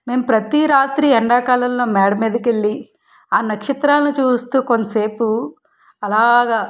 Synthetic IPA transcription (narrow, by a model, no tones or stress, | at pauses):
me̞ːmupɾɐt̪iɾaːt̪ɾiɛɳɖaːkaːlɐllo̞ːmɛːɽɐmeːd̪ɐkeɭːi | aːnɐkʂit̪ɾaːlɐnit͡ʃuːst̪uːkonːɐseːpu | ɐlaːɡaː